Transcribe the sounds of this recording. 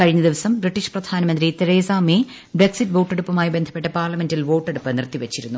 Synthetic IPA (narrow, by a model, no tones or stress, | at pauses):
kɐɻiɲːɐd̪iʋɐsɐmbriʈːiɕprɐd̪ʱaːnɐmɐnd̪ɾit̪eɾeːsaːmi | bɾeksiʈːʋo̞ːʈːe̞ɽupːɐmaːjibend̪ʰʱɐpːe̞ʈːɐpaːrlɐme̞ndilʋo̞ːʈːe̞ɽupːɐnirt̪iʋet͡ɕːiɾṵnːu